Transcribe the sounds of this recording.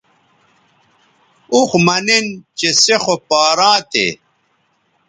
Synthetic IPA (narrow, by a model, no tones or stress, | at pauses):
uxmɐnent͡ɕesexopaːɾãːt̪ḛ